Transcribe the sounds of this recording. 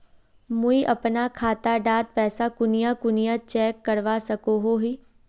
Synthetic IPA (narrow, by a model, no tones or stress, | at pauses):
mʊiʔɐpnakʰaːt̪aɖaːd̪̚pɛːsakʊnɪjakʊnɪjat͡ʃɛːkːəɾʋasɐkoɦoɦiː